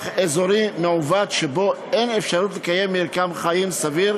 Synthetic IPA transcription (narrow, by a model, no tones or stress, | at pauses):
χezo̞ɾimeʕuvad̪ʃebo̞ | enefʃaɾut̪lekaje̞mːiɾkamχajimsaviɾ